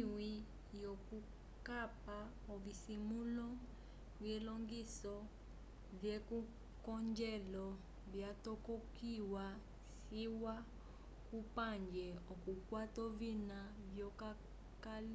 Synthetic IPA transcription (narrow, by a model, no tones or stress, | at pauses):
wi | jɔku | kapa | ɔvisimulɔ | vjɛlɔŋɡisɔ | vjɛku | kɔɲd͡ʒɛlɔ | vjatɔkɔkiwa | siwa | kupaɲd͡ʒɛɔkukwatɔvinavjɔka | kal